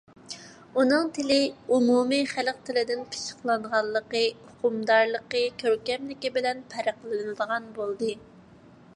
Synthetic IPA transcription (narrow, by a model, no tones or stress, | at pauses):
unɨŋt̪ʰɪlɪumumɨχælq̚t̪ʰɪlɪd̪ɪnpʰɨ̥ʃə̥χlˠɑɴʁɑlˠːəqəʊqʰʊmd̪ɑɾlˠəqəkʲʰøɾkʲɛmlɪkʲibɪlɛnpʰɛɾəqlˠɨnɨnɨd̪əʁɑnbolˠd̪ɨ